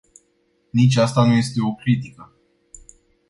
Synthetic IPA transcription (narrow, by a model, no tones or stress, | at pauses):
nit͡ʃʲast̪anuje̞st̪e̞o̞kɾit̪ikə